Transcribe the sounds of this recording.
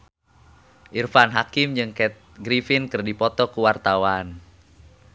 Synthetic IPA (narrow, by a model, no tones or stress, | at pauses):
ʔirfanɦakimd͡ʒɨŋkɛt̪̚ɡɾifinkɨrdipɔt̪ɔkuwart̪awan